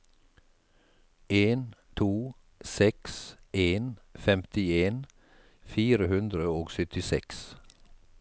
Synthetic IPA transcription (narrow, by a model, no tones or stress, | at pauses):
ʔeːnt̪ʰuː | sɛksʔeːnfɛmt̪ɪeːn | fiːɾəhʉnd̪ɾəoːɡsœt̪ɪsɛ̰ks